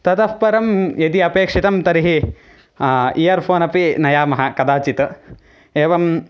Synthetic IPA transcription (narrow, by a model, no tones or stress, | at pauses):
t̪ɐt̪ɐspɐɾɐmjed̪iɐpeːkʂit̪ɐmt̪ɐɾiɦi | ijɐɾpʰoːnɐpinɐjaːmɐɦɐkɐd̪aːt͡ʃit̪ɐ | eːʋɐm